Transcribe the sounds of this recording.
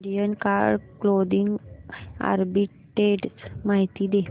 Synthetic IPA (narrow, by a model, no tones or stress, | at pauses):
ɖijənkaɽklod̪iŋɡ | a̰ɾbi | ʈeɖsmaɦit̪iːd̪e